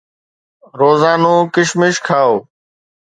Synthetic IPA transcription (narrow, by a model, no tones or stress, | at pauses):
ɾoːzaːnõːkɪʃmɪʃkʰaːoː